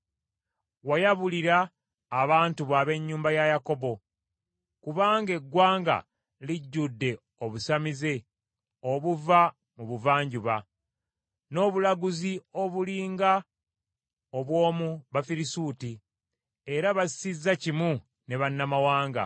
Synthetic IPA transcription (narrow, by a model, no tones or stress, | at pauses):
wajaβuliɾaː | βaːntuβaːβe̞ɲːuːmbajajako̞bo̞ | kuβaːŋɡe̞ɡːwaːŋɡa̰ | liɟːudːe̞ | o̞βusamize̞ | o̞βuva | muβuvaːɲɟuβa | no̞ːβulaɡuzio̞βuliːŋɡa | oβwo̞ːmuβafiɾisuːti | e̞ɾaβassizːacimu | ne̞βanːamawaːŋɡa̰